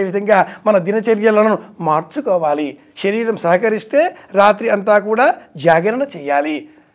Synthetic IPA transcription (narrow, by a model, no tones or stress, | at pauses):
eːʋid̪ʱɐŋɡaːmɐnɐd̪inɐt͡ʃɐɾjɐlɐnnumaːɾt͡ʃukɔːʋaːli | ʃɐɾiːɾɐmsɐɦɐkɐɾist̪e̞ːɾaːt̪ɾiɐnt̪aːkuːɽaːd͡ʒaːɡɐɾɐnɐt͡ʃɛːjaːli